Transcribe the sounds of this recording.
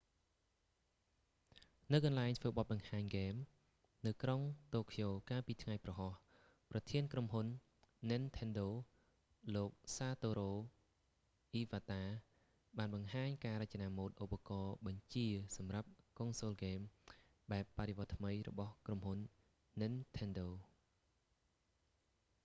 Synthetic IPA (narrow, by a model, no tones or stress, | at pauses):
nɨwkɑnlaɛŋt̪ʰʋəːɓot̪̚ɓɑŋhaːɲɡeːm | nɨwkroŋt̪oːkʰijoːkaːlpiːt̪ʰŋajprɑɦɑh | prɑt̪ʰiənkromɦunː | ɨnt̪ʰɛnɗoː | loːk̚saːt̪oːɾoː | ʔiːʋaːt̪aː | ɓaːnɓɑŋɦaːɲkaːɾəc̚t͡ɕanaːmoːt̪̚ʔupːakɑːɓɑɲt͡ɕiəsɑmrap̚koŋsoːlɡeːm | ɓaɛpːaɾeʋoət̪ːʰməjrɔ̰ɓɑhkromhunː | ɨnt̪ʰɛnɗoː